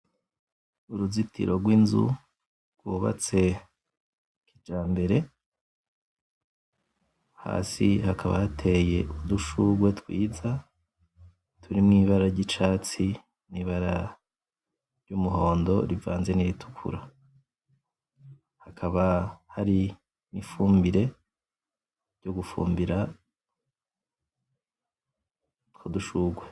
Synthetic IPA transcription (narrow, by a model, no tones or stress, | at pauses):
uɾuzitʰḭɾʔo̞ɡwinzṵ | ɡ̥wuːβa̰t͡se̞ | kid͡ʒaːmbe̞ɾe̞ | ha̰ːsihakʰaβa̰jatʰe̞je̞ʔuduʃuɡwe̞tkwiːza | tʰuɾimŋiːβaɾaɾɟit͡ʃaːt͡si | niːβaɾa | ɾɟumuɦo̞ːndo̞ɾiva̰ːnze̞niɾitʰu̥kʰṵɾa | hakʰaβahaɾi | nifuːmbiɾe̞ | ɾɟoɡufṵːmbiɾa | tkʰuduʃuːɡwe̞